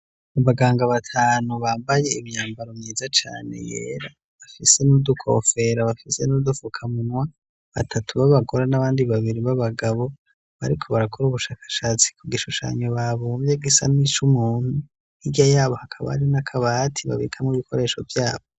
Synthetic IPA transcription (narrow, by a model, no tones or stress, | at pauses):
aβaɡaːŋɡaβatʰaːnuβaːmbaje̞imɲaːmbaɾomɲiːzat͡ʃa̰ːne̞̰jḛːɾa | βafise̞nudukʰo̞̰fe̞ɾaβafise̞nudufukʰamunwa | βatʰatʰuβaβaɡoɾanaβaːndiβaβiɾiβaβaɡaβo̞ | βa̰ɾikʰo̞βaɾakʰoɾuβuʃaːkḁʃaːt͡si̥kuɡiʃuʃa̰ɲoβaβovjeɡisa̰nit͡ʃumuːnhu | hiɟajaːβo̞hakʰaβa̰ɾinakʰaβatʰiβa̰βḭːkʰamŋiβikʰo̞ɾe̞ːʃo̞̰vjaːβo